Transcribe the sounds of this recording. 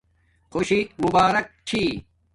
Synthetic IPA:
xoɕimubaːɾɐk̚t͡ɕʰi

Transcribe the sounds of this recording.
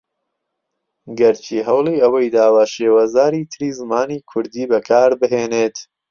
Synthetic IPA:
ɡɐɾt͡ʃʰiːɦɐwliːɐwɐjd̪aːwaːʃeːwazaːɾiːt̪ʰɨɾiːzɨmaːniːkʰʊɾd̪iːbɐkʰaːɾbɨɦeːneːt̪

